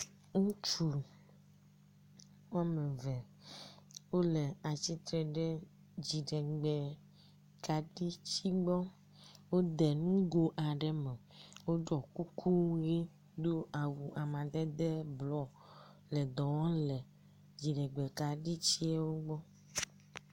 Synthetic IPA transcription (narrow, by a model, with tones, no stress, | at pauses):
ŋũ˦t͡ʃu˨ | wo˦a˦mẽ˨vɛ˨ | wo˦le˨a˨t͡ɕi˦t̪ɾɛ˨ɖɛ˦ | d͡ʑi˨ɖɛ˨ɡ͡bɛ˨ | ka˨ɖi˦t͡ɕi˦ɡ͡bɔ˦ | wo˦d̪ɛ˨nũ˦ɡo˦ʔa˨ɖɛ˨˦mɛ˨ | wo˦ɖɔ˨ku˦kʰu˦ɣi˦ | d̪o˦ʔa˨wu˨a˨mã˨d̪ɛ˦d̪ɛ˦blɔ˨ | lɛ˨d̪ɔ˨wɔ̃˦lɛ˨ | d͡ʑi˨ɖɛ˨ɡ͡bɛ˨ka˨ɖi˦t͡ɕi˦ɛ˦wo˦ɡ͡bɔ˦